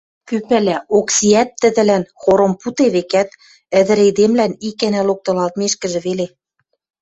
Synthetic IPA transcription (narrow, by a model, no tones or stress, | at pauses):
kypælæoksiæt̪ːɘ̆ðɘ̆lænxoɾŏmput̪eβekæt̪̚ | ɘ̆ðɘ̆ɾed̪emlænikænælok̚t̪ɤ̆lɑlt̪̚meʃkɘ̆ʒɘ̆βele